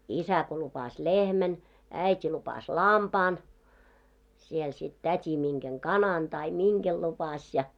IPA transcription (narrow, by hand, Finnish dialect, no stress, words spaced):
isæ ko lupɑs lehmæn æitʲi lupɑs lɑmpɑːn siel sit tætʲi miŋɡ̊eŋ kɑnɑn tɑi miŋɡ̊el lupɑsʲ jɑ